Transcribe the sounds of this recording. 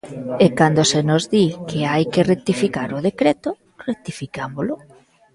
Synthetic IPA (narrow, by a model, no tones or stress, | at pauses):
ekand̪osenozðikɪajkɪrek̚t̪ifikaɾʊðekɾet̪o | rek̚t̪ifikamolʊ